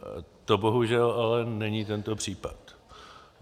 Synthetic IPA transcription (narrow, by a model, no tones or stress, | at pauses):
t̪oboɦuʒɛlalɛnɛɲit̪ɛnt̪o̞pr̝̥iːpa̰t̪